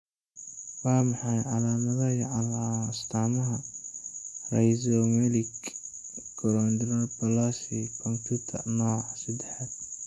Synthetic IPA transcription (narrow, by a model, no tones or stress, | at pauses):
wɑːmɑħɑjʕɑlaːmɐðɐjɐʕɑlast̪ʰaːmɐɦɐ | rɛjzɔmɛlɪɡ | ɡɔɾɔnd̪ɾɐpʰɐlasikʰɔmpʰut̪ʰɐ̰rnɔːʕsɐd̪ɛħad̪